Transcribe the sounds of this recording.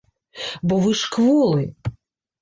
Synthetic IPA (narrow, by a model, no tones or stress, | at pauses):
bɔvɨʂkvɔlˠɨ